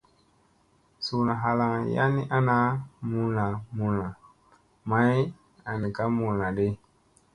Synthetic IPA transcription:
su˨na˨ɦa˨la˨ŋja̰˦ni˦ʔa˦na˦mu˦na˨mu˦na˨ | ma˦i˦ | a˨ni˨ka˦mu˨na˨de˦

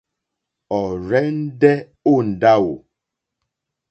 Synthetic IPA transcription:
ɔ˨ɾɛ˦n̩˦dɛ˦ | o˦˨n̩˨da˦wo̰˨

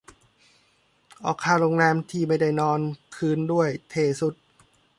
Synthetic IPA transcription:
ʔɔː˨˩kʰːaː˧˩ɾo˧ŋlɛː˧mt̪ʰiː˥˩ma˥˩jda˥˩jnɔː˧nkʰɯː˧˥ndu˥˩əjt̪ʰeː˧˩su˦˥t̪̚

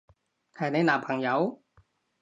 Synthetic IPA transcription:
kʰaː˨˩na˨˥naː˨˩pʰa˨˩ŋja˨˧˥w

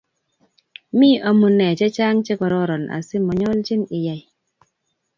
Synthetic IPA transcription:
miː˦ʔɔ˨mu˨nɛ˨t͡ʃɛ˦t͡ʃa˦ŋt͡ʃɛ˦kɔ˨ɾɔ˦ɾɔ˨nʔa̰˨si˦mɔ˨ɲɔ˦lt͡ʃi˦ni˨ja˨j

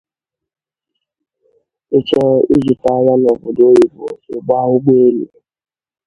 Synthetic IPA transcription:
e˦t͡ʃɔ˦i˦zu˨ta˨˦a˦ja˦nɔ˨bʊ˨do˦i˨bo̰˨e˨ɡ͡ba˦ʊ˦ɡ͡be˦e˦lḭ˨

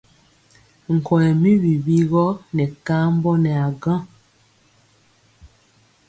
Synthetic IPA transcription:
ŋ̩˨kɔ˨ɛ˨mi˦wi˨bi˦ɣɔ˦nɛ˨ka˦m˦bɔ˦nɛ˨a˨ɡã˦˨

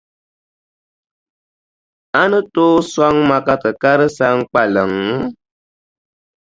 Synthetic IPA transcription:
a˦nɨ˦to˦swa˦ŋma˨ka˦tɨ˨ka˦ɾɨ˦sa˦ŋ˦k͡pa˨lə˨ŋ

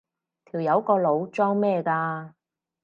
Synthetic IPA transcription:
t̪ʰiː˨˩wjɐ˨˧wkɔː˧lo˨˧wt͡ʃɔː˥ŋmɛː˥˧kaː˧

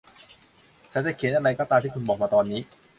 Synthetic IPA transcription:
t͡ɕʰa˦˥nt͡ɕa˨˩kʰeː˨˩˦nʔa˧ɾa˧jkɔː˥˩t̪aː˧mt̪i˥˩kʰu˧nbɔː˨˩k̚maː˧t̪ɔː˧nːiː˦˥

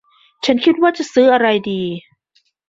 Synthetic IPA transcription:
t͡ɕʰa˦˥nkʰi˦˥t̪̚waː˥˩t͡ɕa˨˩ʔsɯː˦˥ʔa˧ɾa˧jdiː˧

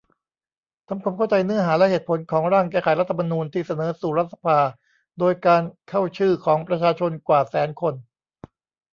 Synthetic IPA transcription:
t̪ʰa˧mkʰwaː˧mkʰa˥˩wt͡ɕa˧jnɯ˥˩ɐɦaː˩˦lɛ˦˥ʔheː˨˩t̪̚pʰo˩˦nkʰɔː˩˦ŋɾaː˥˩ŋkɛː˥˩kʰa˨˩˦jɾa˦˥t̪ʰːa˧ma˧nuː˧nt̪ʰiː˥˩sa˧nɤː˩˦suː˨˩ɾa˦˥t̪̚sa˧pʰaː˧ | doː˧jkaː˧nkʰa˥˩wt͡ɕʰɯː˥˩kʰɔː˩˦ŋpɾa˧t͡ɕʰaː˧t͡ɕʰo˧nkwaː˨˩sɛː˩˦nkʰo˧n

